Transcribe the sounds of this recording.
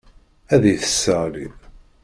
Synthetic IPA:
æðiθə̥sːəlið

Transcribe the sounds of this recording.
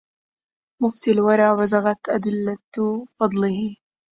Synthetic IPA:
mʊft̪alwɑɾˤɑːwazaɣat̪ʔad̪ɪlːat̪fɑd̪ˤlɪhɪ

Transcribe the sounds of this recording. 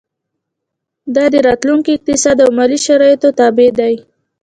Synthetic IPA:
d̪ɑd̪əɾɑt̪luŋkiɪq̚t̪ɪsɑd̪awmɑliʃaɾɑjt̪ot̪ɑbed̪aj

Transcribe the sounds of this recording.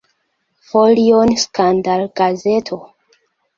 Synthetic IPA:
folionskandalɡ̥aze̞tʰo

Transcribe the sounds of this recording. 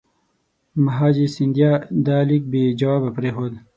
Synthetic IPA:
mɐɦaːd͡ʑisind̪jaːd̪aːlik̚beːd͡ʒɐwaːbɐpɾeːɦoːd̪

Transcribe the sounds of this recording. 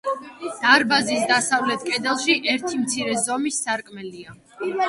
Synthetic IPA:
d̪̥aɾbazisd̪asavlɛt̪ʰkʼɛd̪ɛlˠʃiʔɛɾt̪ʰimt̪sʰiɾɛzɔmisːaɾkʼmɛlia

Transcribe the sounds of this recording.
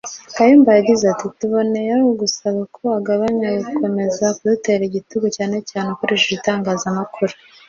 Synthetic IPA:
kajimbajaɟizatituβo̞ne̞jaɡusaβakʰo̞aɡaβaɲajukʰo̞me̞zakudute̞ɾiɟituɡocaːne̞caːnekoɾeʒoitaːŋɡaːzamakʰuɾu

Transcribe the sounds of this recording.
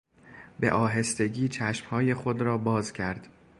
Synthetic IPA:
be̞̰ʔɒːɦe̞st̪e̞ɟiːt͡ʃʰæʃmhɒːje̞xod̪ɾɒːbɒːzcʰæɾd̪̥

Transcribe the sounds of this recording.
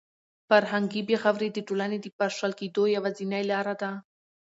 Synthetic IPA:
faɾɦaŋɡibexawɾed̪iʈolaned̪ipaʂalkid̪ojawazinajlɑɾad̪a

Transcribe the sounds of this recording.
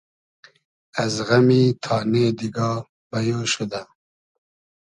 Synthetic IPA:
azɣamiːt̪ʰɑːneːd̪iɡɑː | b̥ajoʃud̪a

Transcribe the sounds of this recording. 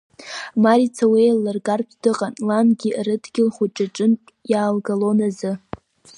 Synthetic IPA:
maɾit͡sʰawelːɨrɡarpʰdɨqʼanlanɡʲirɨdʰɡʲɪlχʷuʈ͡ʂʼaʈ͡ʂʼɨnʼjaːlɡalonazɨ

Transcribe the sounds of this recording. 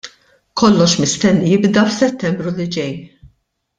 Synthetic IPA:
kʰɔlːɔʃmɪst̪ɛnːijɪbd̪ɐfsɛt̪ːɛmbɾulid͡ʒɛj

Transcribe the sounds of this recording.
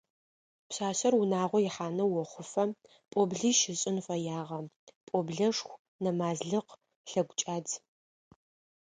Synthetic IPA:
pɕaːɕɐrwʊnaːʁʷɔjɪħaːnɐwɔχʷʊfɐ | pʼɔbɮiːʃɪɕʼɪnfɐjaːʁɐpʼobɮɐʂxʷ | nɐmaːzɮɨq | ɬɐɡʷʊt͡ʃʼaːd

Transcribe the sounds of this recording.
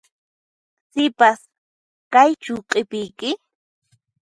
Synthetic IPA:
sɪpas | kajt͡ʃʊqʼɪpɪjkɪ

